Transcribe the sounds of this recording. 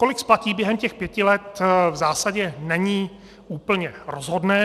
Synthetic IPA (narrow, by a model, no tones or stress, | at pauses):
ko̞lɪksplaciːbjɛɦɛmcɛxpjɛcɪlɛt̪vzaːsaɟɛnɛɲiː | uːpl̩ɲɛɾozɦo̞dnɛː